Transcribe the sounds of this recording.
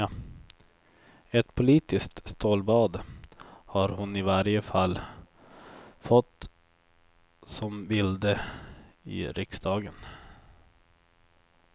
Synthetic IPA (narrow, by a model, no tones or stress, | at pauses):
ɛt̪pʰʊliːt̪ɪsk̚t̪st̪oːlbɑːd̪ | haɾhʊnɪvaɾjəfalː | fɔt̪ː | sɔmbɪld̪ə | ɪ̰ɾʔɪksd̪ɑːɡən